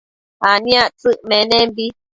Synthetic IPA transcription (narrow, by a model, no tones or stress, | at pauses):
anjaʔt͡sɨʔmɛnɛmbi